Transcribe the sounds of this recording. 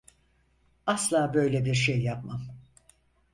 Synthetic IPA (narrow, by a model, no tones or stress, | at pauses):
aslˠaːbø̞jlʲebiɾʃejːapmam